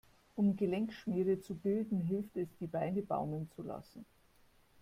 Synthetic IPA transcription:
ʔʊmɡəlɛŋkʃmiːʁət͡subɪldn̩ɦɪlftɛsd̥iːbaɪnəba̰ʊmənt͡sula̰sn̩

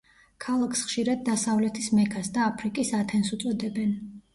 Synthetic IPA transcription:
kʰalˠakʰsχʃiɾad̪̚ːasavlɛt̪ʰismɛkʰasd̪aːpʰɾikʼisat̪ʰɛnsut̪sʼɔd̪ɛbɛn

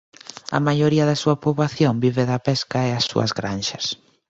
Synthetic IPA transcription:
ɐ̰majoɾiɐðɪsuɐpoβlaθjombiβeðɐpɛskɐeasṵɐ̰zɣɾanʃɐs

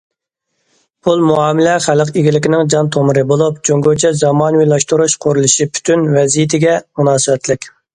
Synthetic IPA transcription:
pʰulˠmuɑːmɪlɛχæləqiɡʲilɪkʲɪnɪŋd͡ʒɑnt̪ʰomɨɾɨbolˠup̚d͡ʒʰoŋɡot͡ʃʰɛzɑmɑːnwijlˠɑʃt̪uɾuʃqʰoɾulˠɨʃipʰy̥t̪ʰynvɛzijit̪ʰɪɡʲɛmunɑːsɨbɛt̪ʰlɪkʲ

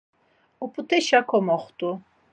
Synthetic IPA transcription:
upʰut̪ʰɛʃakʰɔmɔχt̪ʼu

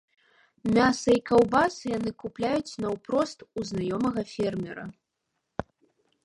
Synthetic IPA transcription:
mʲasɐikawbasɨjan̪ɨkuplʲajut͡sʲnɐwpɾɔst̪uznajɔmɐɣɐfʲɛrmʲɛɾɐ̰

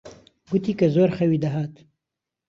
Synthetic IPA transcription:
ɡut̪iːkɐzoːɾxɐwiːd̪ɐɦaːt̪

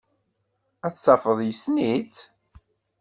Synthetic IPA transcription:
æθsɑfəðˤjəsnit͡s

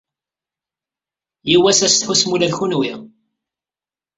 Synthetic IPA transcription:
jiwæsæst̪ħusmulæðçunwiʁ

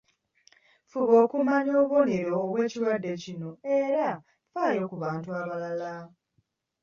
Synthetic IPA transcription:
fuβo̞ːkumaɲo̞ːβo̞neɾoːβwe̞ːciɾwadːe̞cino̞e̞ɾa | faːjo̞ːkuβaːntuaβalala

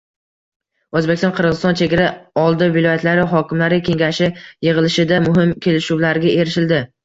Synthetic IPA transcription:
ɵzbekʲɪst̪ɒnqʰɨɾʁɨzɪst̪ɒnt͡ʃʰe̞ɡʲaɾaɒlˠd̪ɪvɪlɒjat̪laɾɪɦɒkʲɪmlaɾɪkʲʰe̞ŋɡʲaʃɪjɨʁɨlɪʃɪd̪amʊɦɪmkʲʰe̞lɪʃuwlaɾɡʲae̞ɾɪʃɪld̪ɪ

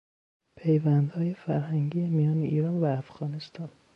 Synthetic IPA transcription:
pʰe̞jvænd̪hɒːje̞fæɾɦæŋɡiːjemijɒːneʔiːɾɒːnvæːfɣ̥ɒːne̞st̪ɒːn

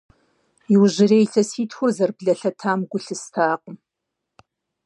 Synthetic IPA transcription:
jɪwʑɪreːjɬʰɐsiːtʰxʷʊzɐrbɮɐɬɐtʰaːmɡʷʊɬɨstʰaːqʊm

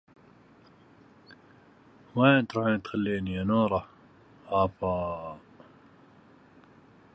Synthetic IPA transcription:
weːt̪ɾˤuːħiːnt̪xalːiːnianuːɾˤɑ | ʔaːfɑː

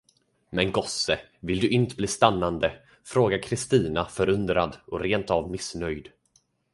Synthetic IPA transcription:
mɛnɡɔsə | vɪld̪ɵʔɪnt̪əbliːst̪anːand̪ə | fɾoːɡaɾkʰɾɪst̪iːnafœɾɵnd̪ɾad̪ɔɾeːnt̪avmɪsnœjd̪

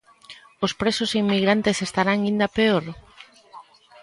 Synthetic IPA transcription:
ʊspɾesʊsimːiɣɾant̪esest̪aɾaŋĩnd̪apeoɾ

